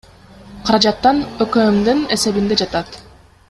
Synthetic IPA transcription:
qʰɑɾɑd͡ʒɑt̪ːɑnøkømd̪yne̞se̞βind̪e̞d͡ʒɑt̪ɑt̪

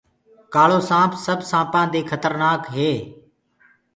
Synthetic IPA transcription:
kaːɭoːsãːpsəbsãːpãːd̪iːkʰət̪əɾnaːkɦeː

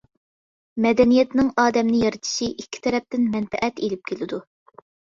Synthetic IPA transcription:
mɛd̪ɛnijɛt̪nɪŋɑːd̪ɛmnɪjɑɾɨt̪ʰɨ̥ʃiʔikʲʰːi̥t̪ʰɛɾɛp̚t̪ɪnmɛnfɛʔɛt̪elɪp̚kʲʰelɪd̪u

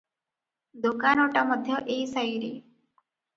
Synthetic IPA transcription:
d̪okanɔʈamʌd̪ʱjɔʔeisajɾiː

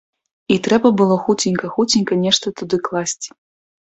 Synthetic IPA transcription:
it̪ɾɛbɐbɨlˠɔxut͡sʲinʲkɐxut͡sʲinʲkɐnʲɛʂt̪ɐt̪ud̪ɨklˠasʲt͡sʲi̥

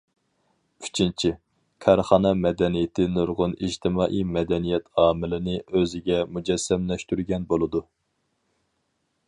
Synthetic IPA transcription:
yt͡ʃʰint͡ʃʰi | kʲʰɑɾχɑːnɑmɛd̪ɛnijɪt̪ʰɪnoɾʁʊnid͡ʒt̪ʰɪmɑːʔijmɛd̪ɛnijɛt̪ʰɑːmɪlɪnɪøzɪɡʲɛmud͡ʒɛsːɛmlɛʃt̪yɾɡʲɛnbolˠɨd̪u

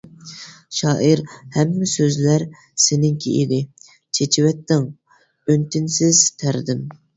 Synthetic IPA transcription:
ʃɑːʔiɾhɛmːɪsøzlæɾ | sɪnɪŋkʲʰḛjḭd̪ɪ | t͡ʃʰet͡ʃʰɪwɛt̪ːɪŋ | ønt̪ɪnsɪzt̪ʰæɾd̪ɪm

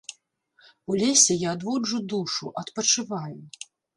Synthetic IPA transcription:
ulʲesʲɛjaːd̪vɔd͡ʐud̪uʂuʔɐt̪pɐt͡ʂɨvaju

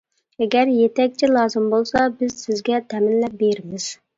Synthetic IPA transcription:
ɛɡʲɛɾjet̪ɛk̚ʲt͡ʃʰilˠɑːzɨmbolˠsɑbɪzsɪzɡʲɛt̪ʰɛmɪnlɛp̚beɾɪmɪz̥

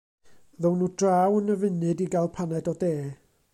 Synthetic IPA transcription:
ðəwnuːdrawənəvɪnɨdiɡalˠpʰanɛdɔdeː

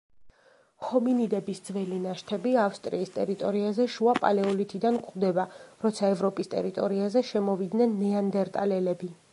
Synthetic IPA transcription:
hɔminid̪ɛbisd̪zvɛlinaʃt̪ʰɛbiafst̪ʼɾiːst̪ʼɛɾit̪ʼɔɾiazɛʃuapʼa̰lɛɔlit̪ʰid̪ankʼχd̪ɛbaɾɔt̪sʰaɛvɾɔpʼist̪ʼɛ̰ɾit̪ʼɔɾiazɛʃɛmɔvid̪nɛnːɛand̪ɛɾt̪ʼalɛlɛbi

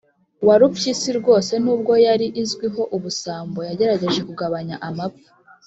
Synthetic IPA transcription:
waɾupjisiɾɡo̞ːse̞nuːb̚ɡo̞jaɾiʔizɡwiɦo̞ʔuβusaːmbo̞jaɟe̞ɾaɟe̞ʒe̞kuɡaβaɲaʔamab̚ɡḁ

